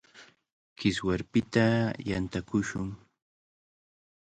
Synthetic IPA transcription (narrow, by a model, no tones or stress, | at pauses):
kɪswaɾpɪt̪ajant̪akʊʃʊŋ